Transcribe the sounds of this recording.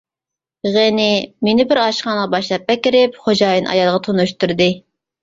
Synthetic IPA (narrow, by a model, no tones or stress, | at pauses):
ʁenɪmenɪbɪɾɑʃqɑnʁɑbɑʃlˠɑp̚ːɛkʲiɾɪp̚χod͡ʒɑːjɨnʔɑ̰jɑlˠʁɑt̪ʰonuʃt̪uɾd̪ɨ